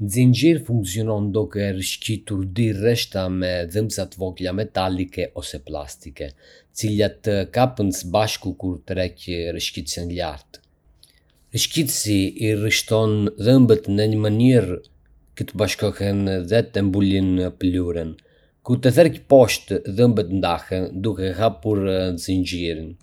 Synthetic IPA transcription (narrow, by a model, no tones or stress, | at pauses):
nzind͡ʒiɾfuŋksiɔnɔnd̪ukɛɾəʃcit̪uɾd̪irɛʃt̪amɛðəmbsat̪vɔklamɛt̪alikɛʔɔsɛpla̰st̪ikɛət͡silat̪əkapənsəbaʃkukuɾt̪ɾɛcɾəʃcit̪sənla̰ɾt̪ | ɾəʃcit̪siːriʃt̪ɔnðəmbət̪nəɲəməniɾ | kət̪əbaʃkɔhɛnðɛt̪ɛmbulinːəpluɾən | kuɾt̪əθɛɾɛcpɔʃt̪ðəmbət̪nd̪ahɛnd̪ukɛɦapuɾziɲd͡ʒiɾin